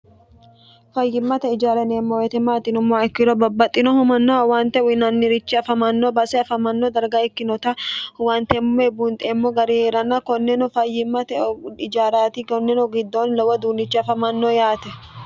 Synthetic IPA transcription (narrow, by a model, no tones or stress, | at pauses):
fɐjːɪmːɐt̪ɛɪd͡ʒaːɾɐneːmːɔwɛt̪ɛmaːt̪ːɪnʊmːɔɛkːɪɾɔbɐbːɐt̪ʼːɪnɔhʊmɐnːɐwɐnt̪ɛwɪnɐnːɪɾɪt͡ʃːɪɐfɐmɐnːobɐsɛɐfɐmɐnːɔd̪ɐɾɡɐɛkːɪnɔt̪ɐwant̪ɛmːɔɛbunt̪ʼemːɔɡɐɾiheːɾɐnːɐkɔnːɛnʊfɐjːɪmːɐt̪ɛɪd͡ʒaːɾaːt̪ɪɡɔnːɛnɔɡɪd̪ːonlɐwɐd̪uːnːɪt͡ʃːɪɐfɐmɐnːoːjaːt̪ɛ